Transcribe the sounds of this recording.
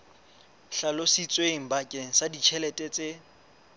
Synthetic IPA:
ɬalosit͡sʼweŋ̩bakʼeŋ̩sadit͡ʃʰɛlɛtʼɛt͡sʼe

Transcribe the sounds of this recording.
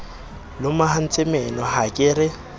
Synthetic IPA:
lʊmahan̩t͡sʼɪmɛnɔhakʼɪɾɪ

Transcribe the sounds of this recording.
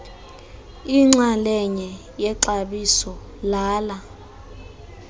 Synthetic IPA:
iŋ͡ǁalɛɲɛ | jɛǀaɓisɔ | laːla

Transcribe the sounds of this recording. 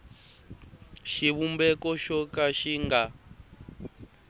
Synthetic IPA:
ʃiβumbɛkɔʃɔkaʃiŋɡa

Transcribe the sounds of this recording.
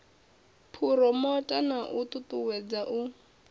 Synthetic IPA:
pʰuɾɔmɔtʼanaʔutʼutʼuwɛd͡zaʔu

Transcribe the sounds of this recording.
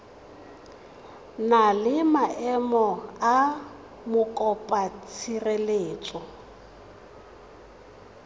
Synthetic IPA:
nalɪmaʔɛmɔa | mʊkʼɔpʼat͡sʰirɛleːt͡sʼɔ

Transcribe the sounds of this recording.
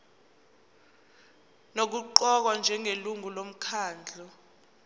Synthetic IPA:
nok̬uǃɔk̬wand͡ʒʱɛŋeluŋulom̩kʰaːnd͡ɮʱɔ

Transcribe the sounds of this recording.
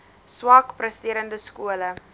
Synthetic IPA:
swɐkprəstiəɾəndəskuələ

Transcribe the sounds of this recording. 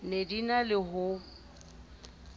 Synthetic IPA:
nedinalɪɦʊ

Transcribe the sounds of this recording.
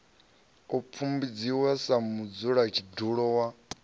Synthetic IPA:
up̪fʰumbid͡ziwasamud͡zuɺat͡ʃʰiduɺɔwa

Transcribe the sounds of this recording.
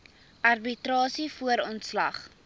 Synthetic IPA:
ʔɐrbitɾɑːsifuəɾɔntslɐ̰χ

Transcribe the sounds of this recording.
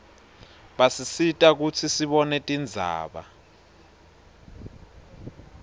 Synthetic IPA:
ɓasisitʼak̬ut͡sʰisiɓɔnɛtʼind͡zʱa̰ːɓa̰

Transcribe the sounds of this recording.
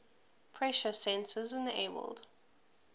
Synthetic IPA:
pʰɹ̥ɛʃəsɛ̃nsəzɪ̃nḛbə̰lˠd̥

